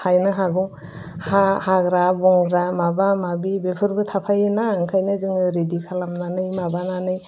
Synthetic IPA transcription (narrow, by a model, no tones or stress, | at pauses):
ajnɯɦaɡuŋ | hahaɡɾabɔŋɡɾamabamabibepʰɯɾbɯtʰapʰajnaɯŋkʰajnɯzɯŋɯɾedikʰalamnanɯjmabananɯj